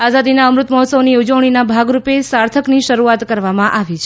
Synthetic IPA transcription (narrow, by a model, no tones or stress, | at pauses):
azad̪inaəmɾut̪mɔɦɔt̪səʋniud͡ʒəʋɽ̃inabʱaɡɾupesaɾt̪ʰəkniʃəɾuat̪kəɾʋamãʔaʋit͡ʃʰ